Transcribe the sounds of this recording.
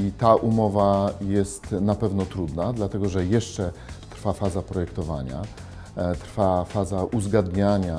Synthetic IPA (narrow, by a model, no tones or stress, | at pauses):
it̪aʔumɔvajɛst̪napɛvnɔt̪ɾud̪nad̪lat̪ɛɡɔʐɛjɛʂt͡ʂɛt̪ɾfafazapɾɔjɛkt̪ɔvaɲa̰ | t̪ɾfafazaʔuzɡad̪ɲaɲa